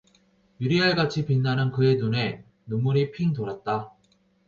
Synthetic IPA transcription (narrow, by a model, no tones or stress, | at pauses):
juɾiɦaɭɡat͡ɕʰipinːanɯnkɯe̞nune̞ | numuɾipʰiŋtoɾat̚t͈a